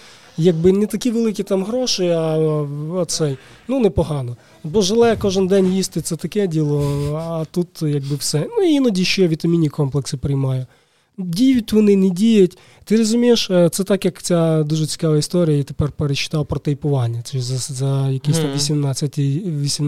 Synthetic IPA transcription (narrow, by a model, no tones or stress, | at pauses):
jɐɡ̚bɪnɛt̪ɐkʲiʋelˠɪkʲit̪ɑmɦɾɔʃɪɐ | ɐsɛj | nunɛpɔɦɑnɔ | bɔʒelˠɛkɔʒɪnd̪ɛnʲjist̪ɪt̪sɛt̪ɐkɛdʲilˠɔɐt̪ut̪jɐɡ̚bɪwsɛnuiinɐdʲiʃt͡ʃɔjʋʲit̪ɐmʲinʲikɔmplˠeksɪpɾɪjmɑjʊ | dʲijjʊtʲʋɔnɪnɪdʲijʊtʲ | t̪ɪɾɔzʊmʲijeʃt̪sɛt̪ɑkjɐkt͡sʲad̪uʒɛt͡sʲi̥kɑʋɐist̪ɔɾʲijɐjit̪epɛrpeɾet͡ʃːɪ̥t̪ɑwpɾɔt̪ɐjpʊʋɑnʲːɐɛzzɐjɐkɪsst̪ɐmʋʲisʲimnɑt͡sʲːɐtʲiʋʲisʲim